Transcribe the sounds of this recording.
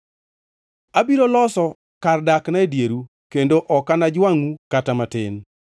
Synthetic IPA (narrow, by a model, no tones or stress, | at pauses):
abiɾolɔsɔ | kardaknaedjeɾu | kendoʔɔkanad͡ʒwaŋukatamatɪn